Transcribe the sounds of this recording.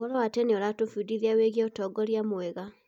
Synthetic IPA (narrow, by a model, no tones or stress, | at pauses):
ɔɾɔwatɛneɔɾatofudiðiaweɣjaotɔːɡɔɾjamwɛɣa